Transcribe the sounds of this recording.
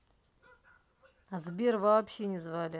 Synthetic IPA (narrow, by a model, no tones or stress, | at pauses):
azbʲervaːpɕenʲɪzvalʲɪ